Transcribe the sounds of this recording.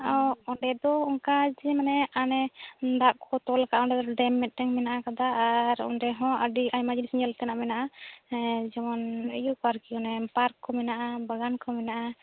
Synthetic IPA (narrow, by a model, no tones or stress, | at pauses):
ɔɔɳɖɛd̪ɔɔŋkad͡ʒɛmanɛanɛd̪aʔkɔt̪ɔlkaʔɔndɛd̪ɔɔɖɛmːɛt̪̚ˀɾɛŋmɛnaʔakad̪aːɾɔ̰ndɛɦɔ̃əɖiʔajmad͡ʒinsiŋd͡ʒalt̪ɛnaʔmɛnaʔa | d͡ʒɛmɔnmɛjukaɾkiɔnɛpaɾkʰːɔmɛnaʔabaɡankʰɔmɛnaʔa